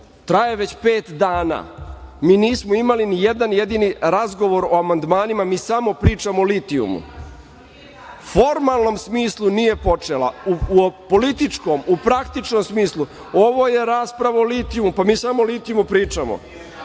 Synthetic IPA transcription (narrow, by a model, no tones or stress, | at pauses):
t̪ɾajeʋe̞t͡ɕpeːt̪d̪aːna̰ːmiːniːsmoimalinijed̪anjed̪iniɾazɡo̞ʋo̞ɾoamand̪maːnimamiːsamo̞pɾiːt͡ʂamoːlit̪iṵmṵ | fo̞ɾmalˠno̞msmiːslˠunije̞po̞t͡ʂela̰upolit̪it͡ʂko̞mupɾakt̪it͡ʃno̞msmiːslˠu | o̞ʋo̞je̞ɾaːspɾaʋaolit̪ijumupamiːsamoːlit̪ijumupɾiːt͡ʂamo̰